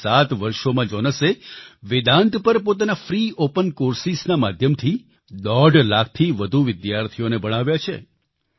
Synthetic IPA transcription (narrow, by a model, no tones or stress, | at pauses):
sat̪ʋəɾʃomãd͡ʒɔnəseʋɪd̪ãnt̪pəɾpot̪̬anafɾiopənkoɾsisnamad̪ʱjəmt̪ʰi | d̪ɔɖlak̚ʰt̪ʰiʋəd̪ʱuʋɪd̪jaɾt̪ʰijonebəɽ̃aʋjat͡ʃʰḛ